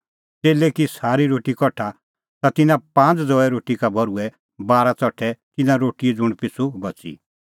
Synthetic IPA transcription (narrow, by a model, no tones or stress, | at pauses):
t͡seːlɛkisaːɾiɾoːʈikɔʈʰːa | t̪at̪ɪnãpãːnt͡sd͡zɔɛɾoːʈikabʱɔɾuɛ | baːɾat͡sɔʈʰːɛt̪ɪnãɾoːʈiɛd͡zʊɽ̃pɪsʰubɐt͡sḭ